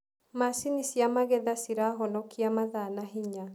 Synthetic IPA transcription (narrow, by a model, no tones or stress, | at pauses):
masinisiamaɣɛðasiɾaɦɔnɔkiamaðanaɦiɲa